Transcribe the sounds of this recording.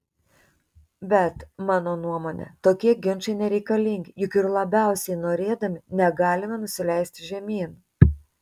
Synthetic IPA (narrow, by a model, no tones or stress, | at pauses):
bʲɛt̪mɑːnoːnuɔmoːnʲɛ̰t̪oːkʲiɛɡʲɪnˑt͡ʃɐɪnʲɛɾʲɛɪkɐlʲɪŋʲɡʲɪjʊkɪɾlˠɐbʲæˑʊsʲɛɪnoːɾʲeːd̪ɐmʲɪnʲɛɡɑːlʲɪmɐnʊsʲɪlʲɛˑɪsʲt̪ʲɪʒʲɛmʲiːn